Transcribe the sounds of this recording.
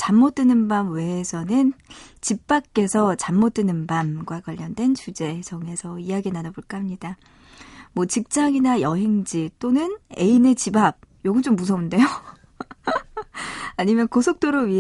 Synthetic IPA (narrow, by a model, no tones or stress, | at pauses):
t͡ɕamːot͈ɯnɯnbamweːsʰʌnɯnt͡ɕip̚p͈ak̚k͈e̞sʰʌt͡ɕamːot͈ɯnɯnbamɡwakwaʎːʌndwe̞nt͡ɕud͡ʑe̞sʰʌŋe̞sʰʌijaɡinanʌboɭk͈aɦamɲid̥a | mwʌt͡ɕik̚t͡ɕ͈aŋinajʌɦe̞ŋd͡ʑit͈onɯne̞ine̞t͡ɕibab̚joɡɯnt͡ɕ͈omːus̬ʰʌunde̞jo | aɲimjʌnkosʰok̚t͈oɾoɥi